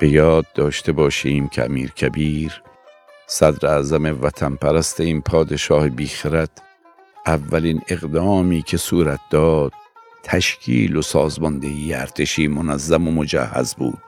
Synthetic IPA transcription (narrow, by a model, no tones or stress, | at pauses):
b̥e̞jɒːd̪̚ːɒːʃt̪ʰe̞bɒːʃiːmcʰḛæ̰miːɾcʰæbiːɾ | sæd̪ɾeæːzæme̞væt̪ʰænpʰæɾæst̪ʰeinpʰɒːd̪e̞ʃɒːhebiːxeɾæt̪ʰ | ʔævːæline̞ɣd̪ɒːmiːkʰe̞suːɾæt̪̚ʰd̪̥ɒːd̪̥̚ | t̪ʰːæʃkʰḭːlo̞sɒːzmɒnd̪eiːjeæɾt̪ʰeʃiːmonæzːæmomo̞d͡ʒæ̰hːæ̰zbṵːd̪̥̚